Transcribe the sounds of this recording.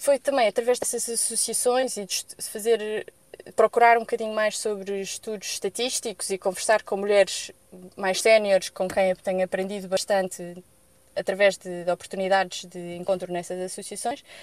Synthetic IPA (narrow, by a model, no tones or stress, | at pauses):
fojt̪ɐ̃mɐ̃j̃ɐt̪ɾɐvɛʒd̪ɛsɐzɐsusiɐsõj̃ziðʃfɐzeɾ | pɾɔkuɾaɾũbukɐðiɲumajʃsoβɾɨʃt̪uðuzʃt̪ɐt̪iʃt̪iku̥zikõvɨɾsaɾkõmuʎɛɾʃ | majʃsɛnjɔɾʃkõkɐ̃j̃ɐt̪ɐ̃j̃ɐpɾẽnd̪iðuβɐʃt̪ɐ̃nt̪ɨ | ɐt̪ɾɐvɛʒðɨd̪ɔpuɾt̪uniðaðʒ̥ðɨẽŋkõnt̪ɾunɛsɐzɐsusiɐsõj̃ʃ